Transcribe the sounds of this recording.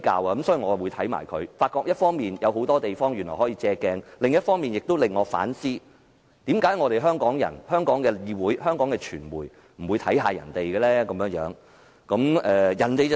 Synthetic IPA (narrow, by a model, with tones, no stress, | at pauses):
ka̰ː˧waː˧kɐ˨˦msɔː˨˥ji˨˩ŋɔː˨˧wu˨˧t̪ʰɐ˨˥jma̰ː˨˩jkʰɵ˨˧ɥfaː˧t̚kɔː˧kjɐ˥t̚fɔː˥ŋmiː˨njɐ˨˧who˨˥wt̪ɔː˥t̪e˨jfɔː˥ŋjyː˨˩nlɔ̰˨˩hɔː˨˥jiː˧t͡sɛː˧kɛː˧ŋlɪ˨ŋjɐ˥t̚fɔː˥ŋmiː˨njɪ˨k̚t̪o˥wlɪ˨ŋːɔː˨˧fa̰ː˨˥nsiː˥ | t̪iː˨˥mkaː˨˥jŋɔː˨˧t̪e˨jɦœː˥ŋkɔː˨˥ŋjɐ̰˨˩nhœː˥ŋkɔː˨˥ŋkɛː˧jiː˧wuː˨˥jhœː˥ŋkɔː˨˥ŋkɛː˧t͡ʃʰyː˨˩nwuː˨˩j | m̩˨˩wu˨˧jt̪ʰɐ˨˥jɦaː˧jɐ̰˨˩nt̪e˨jɡɛː˧lɛː˥kɐ˨˦mjœː˧˥ŋjœː˨˥ŋ | kɐ˨˥mʔɛː˨jɐ˨˩nt̪e˨j